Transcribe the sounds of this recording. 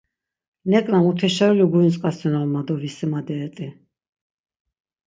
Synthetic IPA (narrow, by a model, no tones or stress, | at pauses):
nɛkʼlamut̪ʰɛʃauliɡuint͡ssʼkʼasɛnɔlmad̪ɔɾisɛmad̪ɛɛt̪ʼi